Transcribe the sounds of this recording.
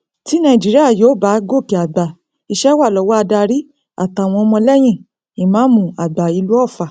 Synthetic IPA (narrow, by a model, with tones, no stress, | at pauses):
ti˨˦nã˧˨i˨d͡ʒi˦ɾi˦a˦˨joː˨˦˨ba˨˦ɡo˦˨ki˨a˨ɡ͡ba˨ | i˧ʃɛ˦wa˦˨lɔ˨˦wɔ˦a˧da˧ɾi˦ | a̰˨ta˧˨w̃ɔ̃˧ɔ˧mɔ̃˧lɛ˦j̃ĩ˦˨ | i˨mãː˨˦mũ˧˨a˨ɡ͡ba˨i˧lu˦ɔ˦˨fa˨